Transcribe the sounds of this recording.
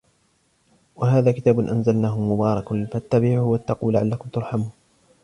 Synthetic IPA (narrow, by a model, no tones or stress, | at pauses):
waɦaːðaːkɪt̪aːbʊnʔanzalnaːhʊmʊbɑːɾˤɑkfat̪ːabiːʕʊhwat̪ːɑquːlːaʕalːakʊmt̪ʊɾˤħamuːn